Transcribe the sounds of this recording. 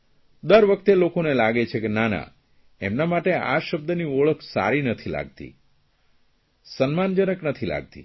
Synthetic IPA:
d̪əɾʋəkʰt̪elokonelaɡet͡ʃʰekenana̰ | emnamaʈeaʃəb̚d̪ənioɭəkʰsa̰ɾinət̪ʰila̰ɡ̚t̪ḭ | sənmand͡ʒənəknət̪ʰila̰ɡ̚t̪ḭ

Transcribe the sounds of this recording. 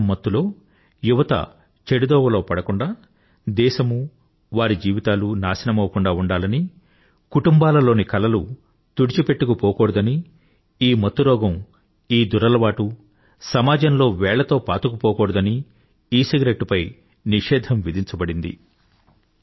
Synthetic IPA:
mːɐt̪ːulo̞ː | juʋɐt̪ɐ̰ | t͡ʃeɽid̪ɔːʋɐlo̞ːpɐɽɐkuɳɖaː | d̪ɛːʃɐmu | ʋaːɾid͡ʒiːʋit̪aːlunaːsɐnɐmɐwɐkuɳɖaːuɳɖaːlɐni | kuʈumbaːlɐlo̞ːnikɐlɐlu | t̪uɽit͡ʃipe̞ʈːukupɔːkɔːɽud̪ɐni | iːmɐt̪ːuɾɔːɡɐm | iːd̪uɾɐlɐʋaːʈu | sɐmaːd͡ʒɐnlo̞ːʋɛːɭɐt̪o̞ːpaːt̪ukupɔːkɔːɽud̪ɐni | iːsiɡɾeʈːupɐj | niʂɛːd̪ʱʰɐmʋid̪ʱiɲt͡ʃɐbɐɽind̪ḭ

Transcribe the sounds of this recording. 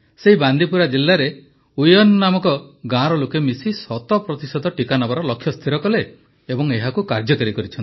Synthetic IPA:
seɦiband̪ipuɾad͡ʒilːaɾe | ujɔnnːamɔkɔɡãɾɔlokemisisɔt̪ɔpɾɔt̪isɔd̪ʱɔʈikanabaɾɔlɔkʰːjɔst̪ʰiɾɔkɔleː | bɔŋeɦakukaɾd͡ʒɔkɔɾikɔɾit͡ʃʰɔnt̪

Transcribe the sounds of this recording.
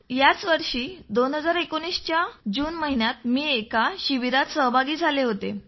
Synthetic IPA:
jat͡sʋəɾʂiːd̪onɦəd͡zaɾekoñist͡ɕjad͡ʑuːnməɦinjat̪̚miːekaɕiʋiɾat̪səɦbʱaɡiːd͡zʱaleɦot̪ḛ

